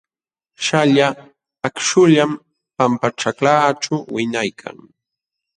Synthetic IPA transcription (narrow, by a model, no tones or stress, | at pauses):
ʃaʎaː | kʃʊʎam | pampaʈ͡ʂaklaːt͡ʃawɪɲajkʰa̰ŋ